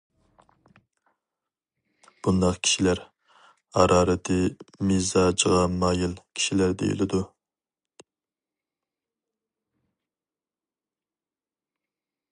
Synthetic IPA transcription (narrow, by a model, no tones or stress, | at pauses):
b̥und̪ɑqkʲʰi̥ʃilæɾ | hɑ̰ɾʔɑːɾɪt̪ʰɪmizɑd͡ʒʁɑmɑːjilkʲʰi̥ʃilæɾd̪ḛjḭlɪd̪u